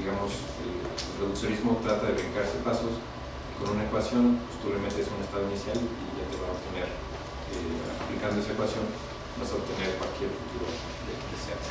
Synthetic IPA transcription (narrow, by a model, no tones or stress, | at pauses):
iɣamo̞s | eelreðuksjo̞nizmo̞t̪ɾat̪aðe̞βeŋkaɾsepasos | iko̞nunae̞kwasjo̞npost̪oβɾement̪eesune̞st̪aðo̞inisjaliʝat̪e̞βaop̚t̪e̞ne̞ɾ | ea̰plikand̪oesaekwasjo̞n | basaoβ̚t̪e̞ne̞ɾkwalkjeɾfut̪uɾo | d̪ekesea